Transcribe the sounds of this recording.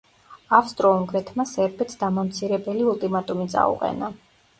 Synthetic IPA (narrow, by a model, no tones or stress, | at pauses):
afst̪ʼɾɔuŋɡɾɛt̪ʰmasɛɾbɛt̪sd̪amamt̪sʰiɾɛbɛliulˠt̪ʼimat̪ʼumit̪sʼa̰ṵqʼɛ̰na